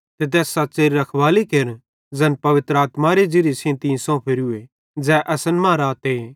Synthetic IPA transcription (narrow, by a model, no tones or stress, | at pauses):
t̪et̪̬ɛːsːɐtːt͡ʃeːɾiɾɐkʰʋaːlikeɾn | d͡zɛːnpɐʋɪt̪ɾəaːt̪maɾed͡ʒiɾisʰẽːnt̪ĩːsõpʰɪɾue | d͡zɛːʔɐsənmãːɾaːt̪eː